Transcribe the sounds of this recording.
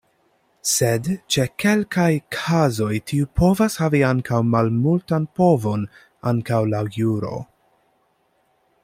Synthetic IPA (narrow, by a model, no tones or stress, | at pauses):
sedt͡ʃe̞ke̞lkajkʰazo̞jtʰiupʰo̞vashaviaŋkʰawmalmultanpo̞vo̞n | aŋkawlajuɾo̞̰